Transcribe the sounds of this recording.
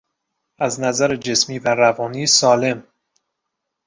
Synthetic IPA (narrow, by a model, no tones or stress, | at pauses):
ʔæznæzæɾed͡ʒe̞smiːvæɾævɒːniːsɒːle̞m